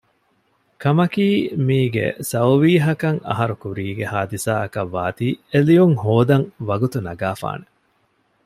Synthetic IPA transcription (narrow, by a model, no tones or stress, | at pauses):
kɐmɐkiːmiːɡḛsɐwʋiːɦɐkɐŋɐ̰ɦɐɾukuɾiːɡehaːd̪isaːɐkɐʋːaːt̪iːelijuŋhoːd̪ɐŋʋɐɡut̪unɐɡaːfa̰ːne